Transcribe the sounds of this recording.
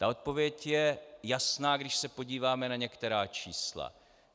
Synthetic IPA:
t̪ao̞t̪̚po̞vjɛcjɛjasnaːɡdɪʃsɛpo̞ɟiːvaːmɛnaɲɛkt̪ɛɾaːt͡ʃiːsla̰

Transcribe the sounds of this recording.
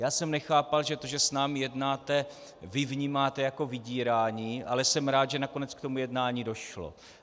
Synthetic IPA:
jaːsɛmnɛxaːpalʒɛt̪o̞ʒɛsnaːmɪjɛdnaːt̪ɛ | vɪvɲiːmaːt̪ɛjako̞vɪɟiːɾaːɲiːʔa̰lɛsɛmɾaːt̪ʒɛnako̞nɛt͡skt̪o̞mujɛdnaːɲiːdo̞ʃlo̰

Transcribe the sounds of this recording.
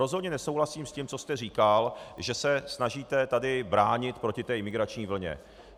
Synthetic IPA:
ɾozɦo̞d̪ɲɛnɛso̞wɦlasiːmscimt͡so̞st̪ɛriːkalʒɛsɛsnaʒiːt̪ɛt̪adɪbɾaːɲɪt̪pɾo̞cɪt̪ɛːɪmɪɡɾat͡ʃɲiːvl̩ɲɛ̰

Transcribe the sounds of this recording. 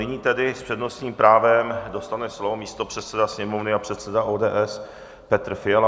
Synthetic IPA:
ɪɲiːt̪ɛdɪspr̥ɛdno̞sɲiːmpɾaːvɛmdo̞st̪anɛslovomiːst̪opr̝̥ɛt̪sɛdasɲɛmovnɪapr̝̥ɛt̪sɛdaʔoːdɛːʔɛs | pɛt̪r̩fɪal

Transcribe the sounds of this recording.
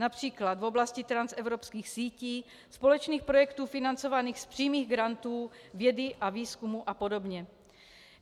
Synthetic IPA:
napr̝̥iːklad̪vo̞blascɪt̪ɾansɛvɾopskiːxsiːciː | spo̞lɛt͡ʃniːxpɾo̞jɛkt̪uːfɪnant͡sovaniːxspr̝̥iːmiːɣɡɾant̪uː | vjɛdɪʔaviːskumuʔapo̞do̞bɲɛ

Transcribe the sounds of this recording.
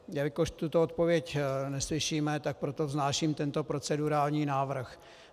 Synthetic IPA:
javɪkoʃt̪ut̪oot̪̚po̞vjɛcnɛslɪʃiːmɛt̪ak̚pɾot̪o̞vznaːʃiːmt̪ɛnt̪o̞pɾo̞t͡sɛduɾaːlɲiːnaːvr̩x

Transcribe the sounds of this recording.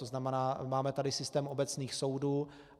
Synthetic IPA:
oznamɛnaːmaːmɛt̪adɪsɪst̪ɛːmo̞bɛt͡sniːxso̞wduː

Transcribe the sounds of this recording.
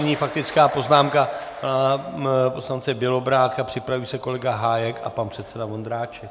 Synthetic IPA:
ɲiːfak̚t̪ɪt͡skaːpo̞znaːmkaapo̞slant͡sɛbjɛlo̞bɾaːt̪kapr̥ɪpɾavujisɛko̞lɛɡaɦaːjɛka̰panpr̥ɛt̪sɛdavond̪ɾaːt͡ʃɛ

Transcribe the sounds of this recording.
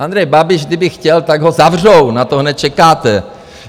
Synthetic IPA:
ʔand̪ɾɛjbabɪʒɡdɪbɪxcɛlt̪aɡɦozavr̝ownat̪oɦnɛt̪̚t͡ʃɛkaːt̪ɛ

